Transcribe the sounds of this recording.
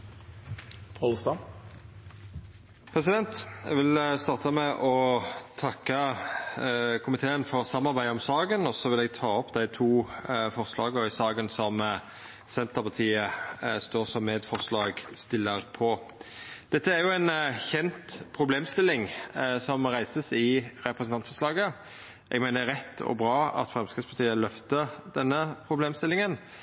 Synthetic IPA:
pʰɑlst̪ɑ | pʰʁɛs̬ɪd̪ɛnt̪jɛ̰ɡʋɪlst̪ɑːʁt̪əmɛʔɔt̪ʰɑkːə | kʰʊmɪt̪ʰeːənfɔɾsɑmːɑʁbæɪd̪əɔmsɑːɡənɔsɔʋɪlɛɡ̚t̪ʰɑːɔpːd̪æɪt̪ʰuːfɔʁslɑːɡəɪsɑːɡənsɔm | sɛnt̪əʁpɑt̪ʰiːəst̪oːʁsɔmːeːd̪fɔʁslɑːɡst̪ɪlːəɾpʰɔ | d̪̥ɛt̪ːəæɾjʊɛnçɛnt̪pʰɾʊbleːmst̪ɪlːɪŋsɔmɾæɪsəsɪɾɛpɾəsnɑnt̪fɔɾslɑːɡə | ʔɛ̰ɡmæɪnəɾɛt̪ːɔ̰bɾɑːɑ̰t̪fɾɛmskəspɑt̪ʰiːəlœft̪əɾd̪̥ɛnːəpʰɾʊbleːmst̪ɪlɪŋən

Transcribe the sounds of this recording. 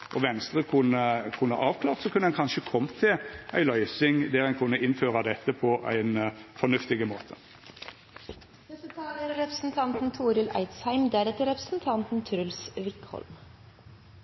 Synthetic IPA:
ʔɔʋɛnst̪ʁəkʰʊnəkʰʉnə̰ʔɑːʋkʰlɑːʁt̪sɔkʰʉnːəæɛnkʰɑnʃəkʰɔmt̪ʰɪlæ̰ɪlœʏsɪŋd̪æʁænkʰʉnːəɪnføːʁɑd̪ɛt̪ːəpʰɔʔæ̰ɪnfɔnʉft̪ɪɡəmo̰ːt̪ʰə̥ | ɛsət̪ʰɑːləɾɾɛpɾə̥sn̩t̪ʰɑnt̪n̩t̪ʰuːɾɪlʔæ̰ɪt̪shæɪmd̪æɾɛt̪əɾɛpɾə̥sn̩t̪ʰɑnt̪n̩t̪ʰɾʉlsʋɪkːhɔ̰lm

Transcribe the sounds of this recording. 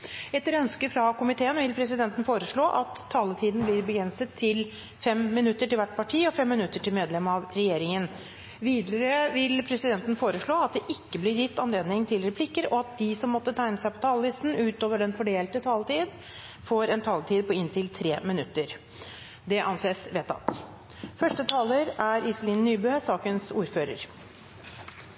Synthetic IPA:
ɛt̪ːɾœnskəfɾɑkʊmɪt̪ʰeːənʋɪlpʰɾɛsɪd̪ɛnt̪ən̩foːɾəʂɭoːʔɑt̪ʰːɑːlət̪ʰiːd̪n̩blɪɾbəɡɾɛnsət̪ʰːɪl | fɛmmɪnʉt̪ːəʈɪlʋæʈːpʰɑʈʰiːɔfɛmːɪnʉt̪ːəʈɪlmeːd̪lɛmɑʋɾɛjeːɾɪŋən | ʋiːd̪əɾəʋɪlpʰɾɛsɪd̪ɛnt̪n̩foːɾəʂɭoːɑt̪̚d̪ɛʔɪkːəblɪɾjɪt̪ːɑnleːd̪nɪŋt̪ʰɪlɾɛpʰlɪkːəɾɔɑt̪̚d̪ɪsɔmːɔt̪ːət̪ʰæɪnəsæɪpʰɔ̥t̪ʰɑːləlɪst̪n̩ʉːt̪oːʋəɖɛnfɔɖeːlt̪ət̪ʰɑːlt̪iːd̪ | foːɾɛnt̪ʰɑːlt̪ʰiːd̪̚pɔɪnt̪ʰɪlt̪ʰɾeːmɪnʉt̪ːəɾ | d̪ɛʔɑnseːsʋeːt̪ɑ̰t̪ | fœʂʈət̪ʰɑːləɾæɾɪsliːnnyːbøːsɑːkənsuːɾføːɾə̰ɾ

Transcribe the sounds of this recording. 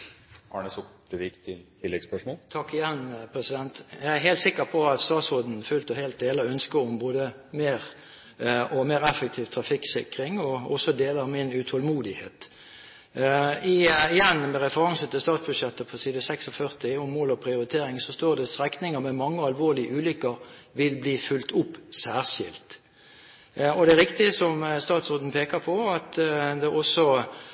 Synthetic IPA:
ɑ̰ːɳəsɔkd̪ʉɪkt̪ʰɪt̪ʰɪlːɛɡspœʂmɔːlt̪ʰɑkːɪjɛnpʰʁɛsɪd̪ɛnt̪jæɪæɦeɪlt̪sɪkːəpʰɔɑt̪st̪ɑːt̪sɔd̪n̩fʉlt̪əheːlt̪̚d̪eːləœnskəɔmboːd̪ə | meːʁ | ɔmeːʁɛfək̚t̪ʰiːʋt̪ʰɾɑfɪksɪkɾɪŋɔɔ̰sɔd̪eːlɑmɪnʉt̪ʰɔlmuːd̪ɪhḛːt̪ | ɪɪjɛnːmɛɾɛfəɾɑŋsət̪ʰɪlst̪ɑːt̪sbʉd̪ʃjɛt̪ːəpʰɔsiːd̪əsɛksɔfœʁt̪ɪʊmːoːlɔpʰʁɪʊɾɪt̪ʰeːɾɪŋsɔst̪oːd̪ɛst̪ʁɛknɪŋəmɛmɑŋːəɑlʋoːʁlɪəʉːlʏkːəʁʋɪlbliːfʉlt̪ʊpːsæːʁʂɪ̰lt̪ | ɔd̪ɛæɾʁɪkt̪ɪəsɔmst̪ɑːt̪sʁot̪n̩pʰeːkəpʰɔɑt̪d̪ɛɔsːɔ

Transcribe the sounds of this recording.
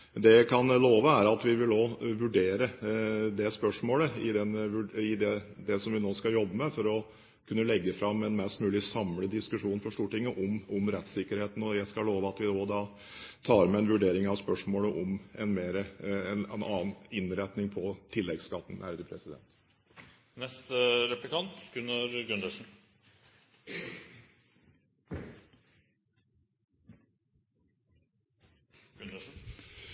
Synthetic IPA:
d̪ɛjækʰɑnloːʋəæɾɑt̪ʋɪʋɪld̪oːʋʉɖeːɾəd̪ɛspœʂmoːləɪd̪ɛnʋʉɪd̪ɛd̪ɛsɔmʋɪnoːskɑjɔbːəmɛfɔɾɔ | kʰʉnːəlɛɡːəfɾɑmːɛnmɛst̪mʉːlɪsɑmləd̪ɪskʉʂuːnfɔʂʈ̪uːʈɪŋːəʔɔmɔmɾɛt̪sɪkːəɾheːt̪ən̩ɔjæɪskɑloːʋəɑt̪ʋɪd̪oːd̪ɑː | t̪ʰɑːɾmɛɛnʋʉɖeːɾɪŋɑʋspœʂmoːləʔɔmɛnmeːɾəɛnɛnɑ̰ːnɪnɾɛt̪nɪŋpʰɔt̪ʰɪlːɛɡskɑt̪ːn̩ʔæɾd̪əpʰɾɛsɪd̪ɛ̰nt̪ | nɛst̪ɾɛplɪkʰɑnt̪ɡʉnɑɾɡʉnd̪əʂn̩

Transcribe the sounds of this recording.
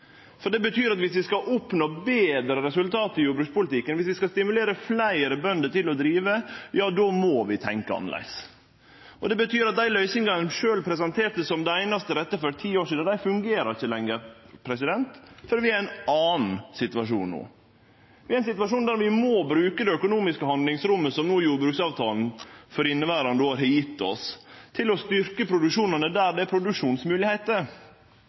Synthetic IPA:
fɔɖɛbət̪ʰyːɾɑt̪ʋɪsʋɪskɑʔɔpnoːbeːd̪ɾəɾɛsʉlt̪ʰɑːt̪ɪjuːbɾʉːk̪t̪spʊlɪt̪ɪkːənʋɪsʋɪskɑst̪ɪmʉleːɾəflæɪɾəbœnd̪ət̪ɪlɔd̪ɾiːʋəjɑːd̪omɔʋɪt̪ʰɛŋkəɑ̰nə̰læ̰ɪs | ʔɔd̪ɛbət̪ʰyːɾɑt̪̚d̪æɪlœʏsɪŋɡɑʂøːlpʰɾɛs̬ɛnt̪ʰeːɾt̪əsɔmd̪ɛæɪnɑst̪əɾɛt̪ːəfœɾt̪ʰiːoːʂiːd̪̩d̪æɪfʉŋɡeːɾɑɾɪçːəlɛŋːəɾpʰɾɛsɪd̪ɛnt̪fɔɾʋɪæɾæɪnɑːnn̩sɪt̪ʋɑʂuːnnṵː | ʋɪæɪnsɪt̪ʋɑʂuːnd̪æːɾʋɪmɔbɾʉːkəd̪ɛœkʊnuːmɪskəhɑnd̪lɪŋsɾʊmːəsɔmnuːjuːbɾʉːksɑːʋt̪ʰɑːln̩fɔɾɪnːəʋæːɾɑnd̪oːɑɾhɛjɪt̪ːɔ̰st̪ʰɪlɔst̪ʏɾkəpʰɾʊd̪ʉkʂuːnənəd̪æːɖɛæpʰɾʊd̪ʉkʂuːnsmʉːlɪheɪt̪əɾ

